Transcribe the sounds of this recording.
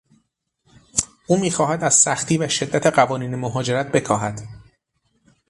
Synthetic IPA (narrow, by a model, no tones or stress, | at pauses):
ʔuːmiːxɒːhæd̪æz̥sæxt̪ʰiːvæʃe̞d̪ːæt̪ʰe̞ɢævɒːniːnemoɦɒːd͡ʒe̞ɾæt̪̚b̥e̞kʰɒːɦæd̪̥